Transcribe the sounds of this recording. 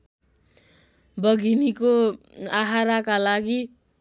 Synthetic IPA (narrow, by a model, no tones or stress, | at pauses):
bʌɡʱinikoaɦaɾakalaɡi